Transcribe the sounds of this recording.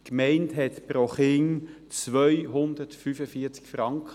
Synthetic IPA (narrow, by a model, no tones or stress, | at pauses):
kmɛɪntɦɛtpɾoχɪŋ | t͡sʋœʏɦʊndətfyfəfiːɐt͡skfɾɑŋkχ